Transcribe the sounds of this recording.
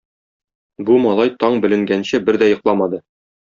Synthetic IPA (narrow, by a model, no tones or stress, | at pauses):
bumɒlˠɑjt̪ɒɴbɘ̆lɘ̆ŋɡænɕɘbɘɾd̪æjɤ̆qlˠɑmɑd̪ɤ